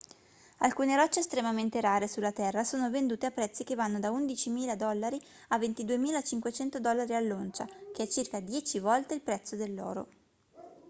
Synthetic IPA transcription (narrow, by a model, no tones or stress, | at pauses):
alkuːneɾɔt͡ʃːeːst̪ɾemament̪eɾaːɾesulːat̪ɛrːasoːnovend̪uːt̪eapːɾɛt̪sːikevːanːod̪aund̪it͡ʃimiːlad̪ɔlːaɾi | avːent̪id̪uemiːlat͡ʃiŋkwet͡ʃɛnt̪od̪ɔlːaɾialːont͡ʃak̟eɛt͡ʃːirkad̪jɛːt͡ʃivɔlt̪eilpɾɛt̪sːod̪elːɔ̰ːɾo̰